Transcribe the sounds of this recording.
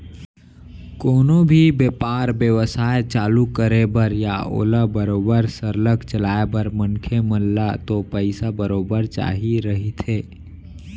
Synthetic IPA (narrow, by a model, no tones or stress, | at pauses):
koːnobʱibeːpaːɾbjəʋəsaːet͡ʃaːlukəɾebəɾjao̰ːləbəɾoːbəɾsəɾləkt͡ʃəlaːebəɾmənkʰeməllat̪opəɪsabəɾoːbəɾt͡ʃa̰ːɦiɾəɦit̪ʰɦeː